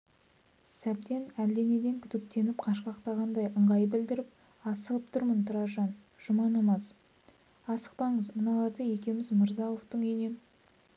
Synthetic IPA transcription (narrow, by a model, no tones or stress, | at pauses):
sæb̚d̪e̞næld̪e̞ne̞d̪e̞ŋkʲʰʏt̪ɪp̚t̪ʰe̞nɪp̚qʰɑʃ̬qɑqt̪ɑʁɑnd̪ɑjʔəɴʁɑjbɪld̪ɪɾɪp̚ | ɑsəlˠəp̚t̪ʰʊɾmənt̪ʰʊɾɑʒɑn | ʒ̥ʊmɑnɑmɑs | ɑsə̥q̚pɑɴəzmənɑlˠɑɾd̪əje̞kʲe̞mɪzməɾzɑoft̪əɴɵjne̞m